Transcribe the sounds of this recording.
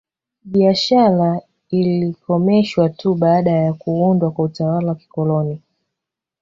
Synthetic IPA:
ɓiaʃaɾa | ilikɔmɛʃwatʰuɓaːɗajakuundwakwautawalawaki̥kɔlɔni

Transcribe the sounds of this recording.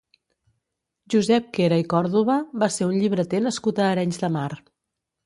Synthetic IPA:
ʒuzɛp̚keɾəikɔɾðuβəβaseunʎiβɾət̪enəskut̪əːɾɛɲzðəmaɾ

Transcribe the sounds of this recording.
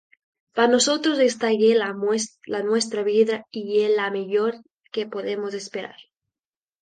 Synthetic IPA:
panosot̪ɾozest̪aʝelameslanwest̪ɾaβiðaiʝelameʎoɾ | kepoðemozespeɾa̰ɾ

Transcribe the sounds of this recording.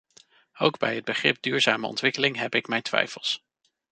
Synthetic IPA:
owɡbɛjəd̚bəχrɪ̰p̚dyːɹzaːməɔ̰ntʋɪkəlɪŋɦɛpɪkmɛjntʋɛ̰jfəlˠs

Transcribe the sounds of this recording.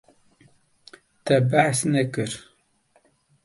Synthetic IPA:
t̪ɛbæħsnɛkɨɾ

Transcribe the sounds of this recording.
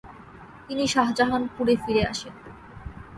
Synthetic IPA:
t̪iniʃaɦd͡ʑaɦanpuɾefiɾea̰ʃen

